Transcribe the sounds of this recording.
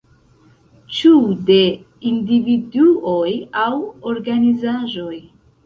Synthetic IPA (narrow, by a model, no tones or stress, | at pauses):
t͡ʃude̞ | individuojawoɾɡanizaʒo̞j